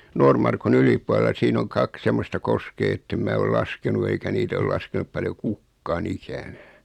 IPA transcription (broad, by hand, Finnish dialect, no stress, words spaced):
noːrmɑrkun ylipˑuɑlelɑ siːn oŋ kɑk semːostɑ koskeː etːem mæː ol lɑskenu eikæ niːt ol lɑskenup pɑljo kukːɑːn ikænæː